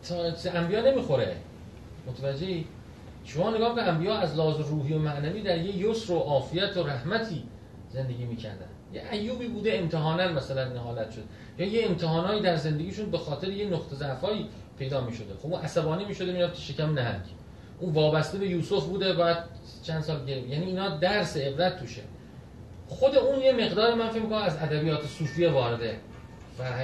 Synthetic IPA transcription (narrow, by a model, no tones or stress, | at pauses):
t̪ʰːæmbijɒːne̞miːxo̞ɾḛ | mot̪ʰævæd͡ʒːe̞iː | ʃomɒːne̞ɡɒːbeæmbijɒːæzlɒːzoɾuːɦiːomæʔnæviːd̪æɾjejosɾoʔɒːfijæt̪ʰoɾæhmæt̪ʰiː | ze̞nd̪e̞ɡʲiːmiːcʰæ̰ɾd̪æ̰nd̪jeʔæjːuːbiːbuːd̪eemt̪ʰeɦɒːnænmæsælænːeɦɒːlæt̪ʃod̪e | jɒːjeːmt̪ʰehɒːnɒːjiːd̪æɾze̞nd̪eɡiːʃuːnbe̞xɒːt̪ʰe̞ɾejenoqt̪ʰezæʔfɒːjiː | pʰe̞jd̪ɒːmiːʃo̞d̪exobunʔæsæbɒːniːmiːʃo̞d̪emiːɾæfkʰe̥ʃecʲʰæmnæɦælcʰe̥ | ʔuːnvɒːbæst̪ebe̞juːsofbuːd̪ebæjæd̪̚ | t͡ʃʰænd̪sɒːlɟeɾjæniːnɒːd̪æɾseːbɾæt̪̚ʰːuʃḛ | xo̞d̪euːnjeme̞ɣd̪ɒːɾemænfe̞cmikʰonæmæzæd̪æbijɒːt̪ʰesuːfijevɒːɾe̞d̪e | væ